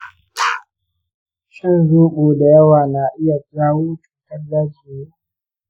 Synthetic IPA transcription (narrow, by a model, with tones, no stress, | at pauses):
ʃɐ˦nzuː˦ɓoː˨da˨jɐ˦waː˨naː˨ʔɪ˦ja˨d͡ʒaː˦woː˦tu̥˨tɐ˦dːaː˦d͡ʒiː˨je˦